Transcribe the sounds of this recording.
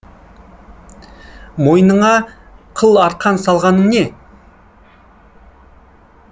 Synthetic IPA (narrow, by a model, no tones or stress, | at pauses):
mo̞jnəɴɑ | qʰəlˠɑɾt̪̚qʰɑnsɑlˠʁɑnəmne̞